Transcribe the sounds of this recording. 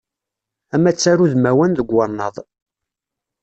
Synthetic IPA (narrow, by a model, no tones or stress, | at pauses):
æmæt͡sːæɾuðmæwænðəɡːɑnːə̰ðˤ